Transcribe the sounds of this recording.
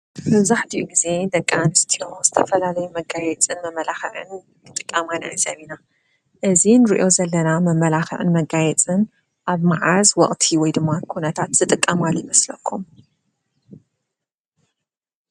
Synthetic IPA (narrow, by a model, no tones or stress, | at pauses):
mɐβzaħt̪ʰiʔuɡize̞d̪ɐkʼːanɨst̪ʰioz̥ɨt̪ʰɐfɐlalɐjumɐɡajɛt͡sʼɨnmɐmːɐlaxɨʕɨ̰n | t̪ʰɨt̪ʼɨkʼːamana̰zɐβina | ʔɨzinɨɾḭʔo̞zɐlːɐnamɐmːɐlaxɨ̰ʕɨ̰nmɐɡajɛt͡sʼɨn | ʔaβmaʕazwɔ̰χʼt̪ʰiwɔjd̪ɨmːakʰunɐt̪ʰat̪z̥ɨt̪ʼɨkʼːɐmaljɪmɐslɐkʰːum